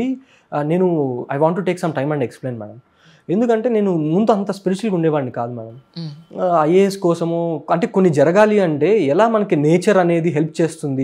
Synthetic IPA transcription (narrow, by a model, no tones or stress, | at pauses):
i | ne̞ːnuɐjʋaːɳʈ̬ːuʈe̞ːksɐmʈɐjmɐ̃ɳɖeksple̞ːnma̰ːɽɐm | e̞nd̪ukɐɳʈe̞ːne̞ːnumund̪uɐnt̪ɐspiɾit͡ʃuɐlkuɳɖɛːʋaːɐnikaːd̪uma̰nɐm | ɐjeeskɔːsɐmoːɐɳʈe̞ːko̞nːid͡ʒɐɾɐɡaːliɐɳʈe̞ːɛlaːmɐnɐkineːt͡ʃɐɾɐne̞ːd̪iɦe̞lp̚t͡ʃe̞ːst̪und̪i